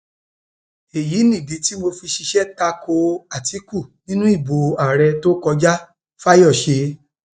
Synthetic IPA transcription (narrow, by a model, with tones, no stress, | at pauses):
e˨ji˨˦nĩ˦˨di˨˦ti˦mo˧fi˧ʃi˧ʃɛ˦ta˧kʰo˧a˨tʰi˨˦ku˦˨nĩ˦nũ˦i˦˨bo˨a˨ɾɛ˧to˦kɔ˧d͡ʒa˦ | fa˦jɔ˦˨ʃe˧